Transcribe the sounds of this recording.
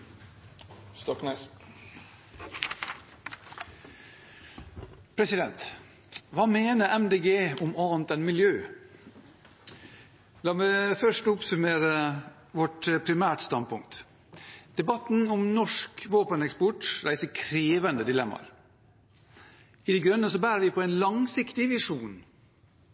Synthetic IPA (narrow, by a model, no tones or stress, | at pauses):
st̪ɔknɛ | pʰɾɛsɪd̪ɛnt̪ | ʋɑːmeːnəʔɛmd̪eːɡeːʊmɑnt̪ɛnmɪljøː | lɑːmɛfœʂʈʊpsʉmeːɾə | ʋɔʈpʰɾɪmæːʈst̪ɑnd̪̚pʰʊŋkt̪ | d̪̥ɛbɑt̪n̩ɔmnɔʂkʋoːpənɛkspɔʈɾæɪsəkʰɾeːʋənd̪əd̪ɪlɛmːɑ̰ɾ | ɪd̪ɛɪɡɾœnːəsɔbæːɾəɾʋɪpʰɔɛɪnlɑŋsɪkt̪ɪʋɪʂuːn